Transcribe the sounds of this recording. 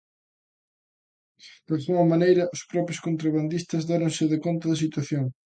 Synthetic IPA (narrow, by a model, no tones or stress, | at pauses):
d̪̥alɣuŋɐmanejɾɐʔʊspɾɔpɾjʊskont̪ɾaβand̪ist̪ɐzðaɾoŋsɪðɪkont̪ɐðɐsit̪waθjoŋ